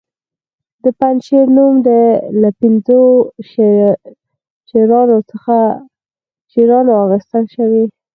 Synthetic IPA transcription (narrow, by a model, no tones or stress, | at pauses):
d̪əpanʃeɾnumd̪əlapɪnzo | ʃeɾɑnot͡səxa | ʃeɾɑnoaɣəst̪əlʃəwi